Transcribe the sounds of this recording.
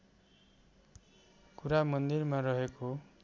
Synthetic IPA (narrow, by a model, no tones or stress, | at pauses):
kuɾamʌnd̪irmaɾʌɦeko